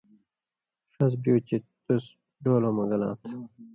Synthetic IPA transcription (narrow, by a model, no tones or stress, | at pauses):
ʂɐs̬bjoːt͡ɕit̪us | ɖoːloːmɐɡɐlã̰ːt̪ʰ